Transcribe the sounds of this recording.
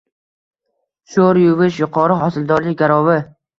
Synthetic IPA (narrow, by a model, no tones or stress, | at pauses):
ʃoɾjʊvɪʃjʊqʰɒɾɪχɒsɪld̪ɒɾlɪɡʲaɾɒvɪ